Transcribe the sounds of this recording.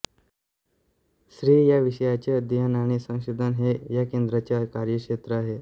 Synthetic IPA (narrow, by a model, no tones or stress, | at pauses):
sɾiːjaʋiɕəjat͡ɕjad̪ijənaɽ̃isə̃ŋ̃ɕed̪ʱənɦejakend̪ɾat͡ɕjakaɾjəkʂet̪ɾəaɦe